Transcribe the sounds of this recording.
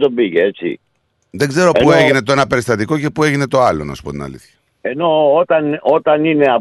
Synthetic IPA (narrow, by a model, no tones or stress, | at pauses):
t̪obiʝeet͡sḭ | ðeɡze̞ɾo̞pueʝine̞t̪o̞enɐpe̞ɾist̪ɐt̪iko̞ce̞pue̞ʝine̞t̪o̞ɐlo̰nɐ̰spot̪inɐ̰lḭθçɐ | eno̞ot̪ɐnot̪ɐnine̞ɐ